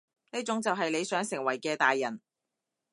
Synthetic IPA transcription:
niː˥t͡sʊ˨˥ŋt͡sɐ˨wɦɐ˨jle˨˧jsœː˨˥ŋsɪ˨˩ŋwɐ˨˩jkɛː˧t̪aː˨jːɐ˨˩n

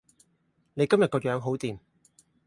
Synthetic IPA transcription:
ne˨˧jkɐ˥mjɐ˨tkɔː˧jœː˨˥ŋɦo˨˥wt̪iː˨˩m

